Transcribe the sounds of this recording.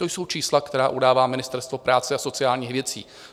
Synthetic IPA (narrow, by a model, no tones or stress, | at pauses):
t̪o̞jso̞wt͡ʃiːslakt̪ɛɾaːʔudaːvaːmɪnɪst̪ɛɾst̪vo̞pɾʔaːt͡sɛaso̞t͡sɪaːlɲiːxvjɛt͡sḭː